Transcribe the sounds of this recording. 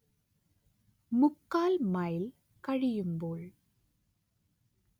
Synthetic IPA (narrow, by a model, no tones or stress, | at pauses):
mʊkːaːlmɐjɪl | kɐɻɪjɯmboːɭ